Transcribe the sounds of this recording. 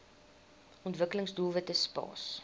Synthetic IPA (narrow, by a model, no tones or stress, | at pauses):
ɔntvəkələŋsdulˠvətəspɑ̰ːs